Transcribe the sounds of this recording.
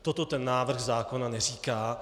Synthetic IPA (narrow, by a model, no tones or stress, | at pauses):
t̪ot̪o̞t̪ɛnːaːvr̩ɣzaːko̞nanɛriːkaː